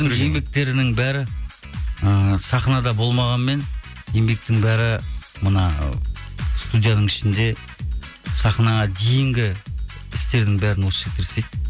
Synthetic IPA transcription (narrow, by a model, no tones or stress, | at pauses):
ɪŋe̞mbe̞k̚t̪e̞ɾɪnɪŋbæɾɪ | əsɑχnɑd̪ɑbo̞lˠmɑʁɑnme̞nje̞mbe̞k̚t̪ɪŋbæɾɪmənɑ̰ | st̪ud̪ʲijad̪əɴɪʃɪnd̪e̞ | sɑχnɑʁɑd̪e̞jɪŋɡʲɪɪst̪e̞ɾd̪ɪŋbæɾɪnwosʃek̚t̪ʰeɾsejd̪